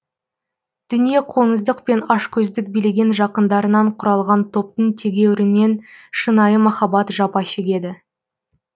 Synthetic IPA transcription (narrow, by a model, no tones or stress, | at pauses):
d̪̥ʏnije̞qʰo̞nəzd̪əqpe̞nɑʃkʲʰɵzd̪ɪk̚bijleɡʲe̞nʒɑqənd̪ɑɾənɑɴqʰʊɾɑlˠʁɑnt̪ʰo̞p̚t̪əɴt̪ʰe̞ɡʲe̞wɪɾɪne̞nʃənɑjəmɑχɑbɑt̪ʒɑpɑʃe̞ɡʲe̞d̪ɪ